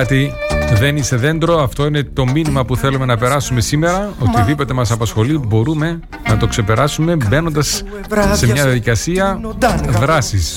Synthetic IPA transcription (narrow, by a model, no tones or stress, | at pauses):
ɐt̪iðe̞nist̪e̞ðe̞nd̪ɾo̞ɐft̪o̞ine̞t̪o̞minimɐpuθe̞lume̞nɐpe̞ɾɐsume̞sime̞ɾɐot̪iðipo̞t̪e̞mɐsɐpɐsxo̞libo̞ɾume̞ | nɐt̪o̞kse̞pe̞ɾɐsume̞be̞no̞nd̪ɐs | se̞mmɲɐðjɐðikɐsiɐðɾɐsis